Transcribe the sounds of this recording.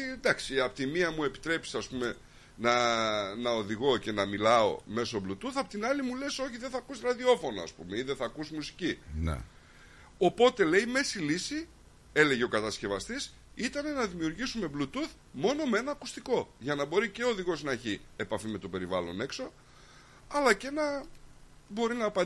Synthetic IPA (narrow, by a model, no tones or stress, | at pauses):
d̪ɐksiɐpot̪imiɐmue̞pi̥t̪ɾe̞pi̥sɐspume̞ | nɐnɐo̞ðiɣo̞ce̞nɐmilɐo̞̰me̞so̞blut̪uθɐpot̪inɐlimule̞so̞çiðe̞θɐkusɾɐðio̞fo̞noɐ̰spṵme̞iðeθɐkusmusi̥cin̰ | o̞po̞t̪e̞le̞ime̞silisi | e̞le̞ʝe̞o̞kɐt̪ɐsce̞vɐst̪is | it̪ɐne̞nɐðimiuɾʝisume̞blut̪uθ | mo̞no̞mee̞nɐːkust̪iko̞ʝɐnɐbo̞ɾice̞oðiɣo̞znɐeçie̞pɐfime̞t̪o̞pe̞ɾivɐlo̞̰ne̞kso̞ | ɐlɐce̞nɐ | bo̞ɾinɐːpɐ